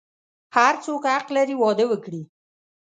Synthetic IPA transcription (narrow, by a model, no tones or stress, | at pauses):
haɾt͡sokhaqlaɾiwɑd̪əwəkɽi